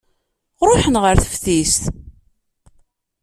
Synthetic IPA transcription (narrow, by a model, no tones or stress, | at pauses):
ɾˤoħənʁəɾθə̥fθist̪